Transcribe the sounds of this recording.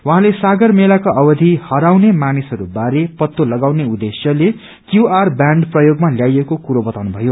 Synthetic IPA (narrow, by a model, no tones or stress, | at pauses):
waɦãlesaɡʌrmelakoʔʌbʌd̪ʱihʌɾawnemanisɦʌɾubaɾepʌt̪ːolʌɡawneud̪esjʌle | kjuarbjaɳɖprʌjoɡmaljajekokuɾobʌt̪awnubʱʌjo